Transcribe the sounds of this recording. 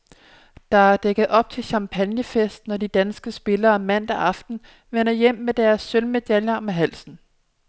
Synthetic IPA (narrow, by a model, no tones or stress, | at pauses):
d̥ɑ̈æɐd̥eɡ̥ð̞̩ˠʔɒ̽b̥̚t͡sʰe̝lɕɑ̈mpʰænjəfesd̥nɒd̥id̥ænsɡ̥əsb̥e̝lɐːmæn̰d̥æʔɑ̈fd̥n̩ | ʋenɐjem̰med̥æɐsːølme̝d̥æljəɒmæɦæl̰sn̩